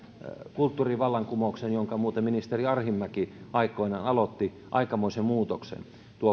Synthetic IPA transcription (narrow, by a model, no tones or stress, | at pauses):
kult̪ːuːriʋɑlːɑŋkumouksenjoŋkɑmuːt̪eminist̪eriɑrhimːækiɑikˑoinɑːnɑlot̪ːi | ʔɑikɑmoisemmuːt̪oksḛn | t̪uo